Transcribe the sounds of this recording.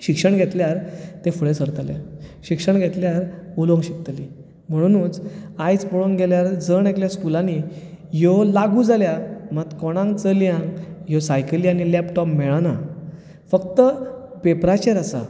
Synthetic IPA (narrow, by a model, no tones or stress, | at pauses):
ɕikʂəɳɡʱet̪ljaɾt̪efuɭesəɾt̪lḛɕikʂəɳɡʱet̪ljaɾulõŋɡɕik̚t̪li | m̤əɽ̃unũːnt͡sajt͡spoɭoŋɡɡʱeljaɾd͡zəɳekljaskulãni | jolaɡuːd͡zʱaljamat̪kɔɽ̃ãŋɡt͡səlijãŋɡjosajkliañilɛpʈɔpmeɭana | fəkt̪əpepɾat͡ɕəɾasa̰